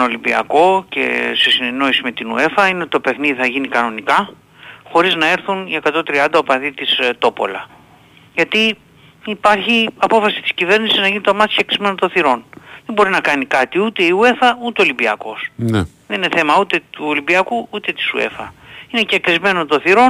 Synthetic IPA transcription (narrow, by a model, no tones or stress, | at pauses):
olibiɐ̰ko̞ce̞̰sesine̞no̞isime̞t̪inue̞fɐineo̞t̪it̪o̞pe̞xniðiθɐʝinikɐno̞nikɐ | xo̞ɾiznɐe̞ɾθunie̞kɐt̪o̞t̪ɾiɐnd̪ɐopɐðit̪ist̪o̞po̞̰lɐ | ʝɐt̪iː | pɐɾçiɐpo̞fɐsi̥t̪i̥scive̞ɾnisiznɐʝinit̪omɐt̪i̥çekɾizme̞not̪o̞θiɾo̞nðembo̞ɾinɐkɐnikɐt̪iut̪e̞iue̞fɐut̪eo̞limbiɐ̰ko̞sne | ðe̞nineθe̞mɐut̪e̞t̪uolibiɐkuut̪e̞t̪i̥sṵe̞̰fɐ̰ine̞cekɾizme̞not̪oθiɾo̞n